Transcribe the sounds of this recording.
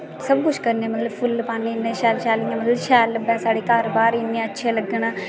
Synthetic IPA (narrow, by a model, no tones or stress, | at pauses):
səbkʊʃkəɾnẽːmət̪ləbpʰʊlpaːneːnːẽːʃɛːlʃɛːlĩjãːmət̪ləbʃɛːləbɛ̃ːsaːɽeːkəɾbaːɾiːnẽətːʃʰẽːləɡənaː